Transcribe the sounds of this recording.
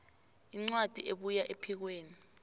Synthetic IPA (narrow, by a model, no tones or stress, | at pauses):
iŋ͡ǀwad̥ʱiʔeɓujaʔepʰik̬weːni